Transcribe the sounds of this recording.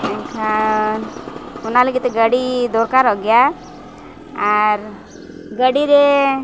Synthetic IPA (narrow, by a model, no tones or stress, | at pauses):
ɛŋkʰa | unaləɡit̪ɛɡəɽid̪ɔɾkaɾɦɔɡja | ɾ | ɡəɽiɾɛ